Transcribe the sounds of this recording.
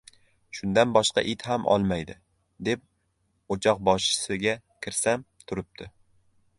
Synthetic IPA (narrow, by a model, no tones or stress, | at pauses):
ʃʊnd̪anbɒʃqɑ̰ʔɪt̪ɦamʔɒ̰lˠmajd̪ɪ | d̪e̞p̚ | ot͡ʃʰɒq̚bɒʃɪ̥sɪɡʲa | kʲʰɪɾsam | t̪ʰʊɾɪp̚t̪ʰɪ